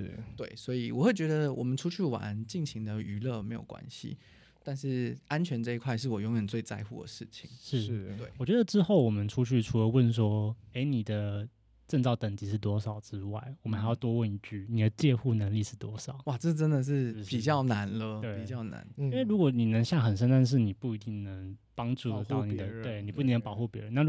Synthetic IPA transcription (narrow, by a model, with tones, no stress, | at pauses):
ʂ̩˥˩t̪we˥˩ɪswɔ˧˥i˨˩wɔ̰˨˩xwe˥˩t͡ɕɥɛ˧˥d̪ə˧wʔɔ̰˨˩mə˦nʈ͡ʂʰu˥t͡ɕʰy˥˩wa̰˧˦nt͡ɕi˥˩ŋɕi˧˥ŋd̪ə˧y˧˥lɤ˥˩me˧˥ɪjo˨˩ʊkwa̰˦˥nɕḭ˦ | t̪a˥˧nʂɻ̩˥˩a˥nt͡ɕʰɥɛ˧˥nʈ͡ʂɤ˥˩i˧kʰwa˥˧ɪʂ̬ɻ̩˥˩wɔ˨˩jɔ˧˥ŋɥɛ˨˩nt͡swe˥˧ɪt͡sa̰˥˧ɪxṵ˥˩d̪ə̰˩ʂɻ̩˥˩t͡ɕʰḭ˨˩ŋʂɻ̩˥˩˥we˥˩ɪwɔ˨˩t͡ɕɥɛ˧˦d̪ə˨˧ʈ͡ʂɻ̩˥xo˥˩ʊwɔ˨˩mə˦nʈ͡ʂʰu˥t͡ɕʰy˥˩ʈ͡ʂʰu˨˥lə˧˦wə˥˨ns̬wɔ˥e˧˥ɪni˨˩d̪ə˦ | ʈ͡ʂə˥˧ŋt͡sɑ˥˩ʊt̪ə˨˩ŋt͡ɕi˧˥ʂɻ̩˥˩t̪wɔ˥ʂɑ˨˩ʊʈ͡ʂɻ̩˦wa˥˩ɪwɔ˨˩mənxa˧˥ɪjɑ˥˩ʊt̪wɔ˥wə˥˩ni˧˩t͡ɕy˥˩ni˨˩d̪ə˦t͡ɕjɛ˥˧xu˥˩nə˧˥ŋli˥˧ʂɻ̩˥˩t̪wɔ˥ʂɑ˨˦ʊwa˥˩ʈ͡ʂɤ˥˩˧ə˥nd̪ə˨ʂ̬ɻ̩˥˩pi˨˩t͡ɕjɑ˥˩ʊna˧˥nlə˧e˥˩i˨˩t͡ɕjɑ˥˩ʊna̰˧˥˦ni˥we˥˩ɪɻu˧˥kwɔ˨˩˦ni˨˩nə˧˥ŋɕja˥˩xə˨˩nʂ̬ə˧˥nt̪a˥˧nʂ̬ɻ̩˥˩ni˨˩pu˥˩i˧˥t̪i˥˩ŋnə˧˥ŋpɑ˥ŋʈ͡ʂu˥˩d̪ə˩t̪ɑ˥ʊni˨˩d̪ə˦t̪we˥˩ɪni˨˩pu˥˧˥i˥˧˥nə˧ŋpɑ˨˩ʊxu˥˩pjɛ˧˦˥ɻə˧˦na˥˨